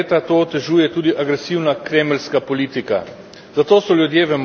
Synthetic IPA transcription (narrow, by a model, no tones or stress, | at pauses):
t̪at̪oːt̪ɛʒuːjɛt̪uːd̪iʔaɡɾɛsiwnakɾeːmlskapɔliːt̪ika̰ | zat̪oːsɔljud̪jeːʋɛm